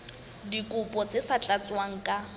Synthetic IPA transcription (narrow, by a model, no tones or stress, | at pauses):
dikʼʊpʼɔt͡sʼesat͡ɬʼat͡sʼwaŋ̩kʼa